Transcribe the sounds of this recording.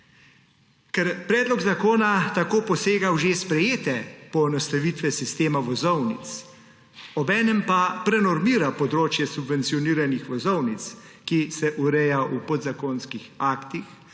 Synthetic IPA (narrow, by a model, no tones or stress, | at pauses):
kɛɾpɾɛːd̪lɔɡzakoːnat̪akoːpɔseːɡawʒespɾɛjeːt̪ɛpɔɛnɔst̪aʋit̪ʋɛsist̪eːmaʋɔzɔwnḭt̪s | ɔbɛːnɛmpapɾɛnɔɾmiːɾapɔd̪ɾoːt͡ʃjɛsubʋɛnt̪siɔniːɾanixʋɔzɔwnit̪s | kisɛʔuɾɛjaupɔd̪zakoːnskixaːkt̪ix